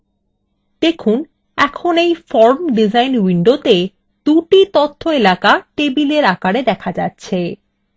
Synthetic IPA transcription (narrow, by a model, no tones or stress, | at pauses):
d̪̥ekʰun | ɛkʰonejfɔɾmɖid͡ʑajnwiɳɖot̪e | d̪̥uʈit̪ot̪ʰːoelakaʈebileɾakaɽed̪ɛkʰad͡ʑatːɕʰe